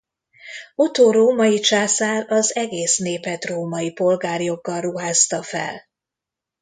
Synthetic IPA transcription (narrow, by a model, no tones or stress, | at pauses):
ot̪oːɾoːmɒjit͡ʃaːsaːɾɒzɛɡeːsneːpɛt̪roːmɒjipo̞lɡaːrjo̞ɡːɒlruɦaːst̪ɒfɛ̰l